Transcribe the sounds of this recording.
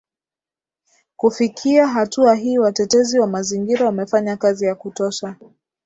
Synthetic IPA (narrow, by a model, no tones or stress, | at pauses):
kufikʰiaɦatuaɦiːwatɛtɛziwamaziŋɡiɾawamɛfaɲakazijakutɔʃa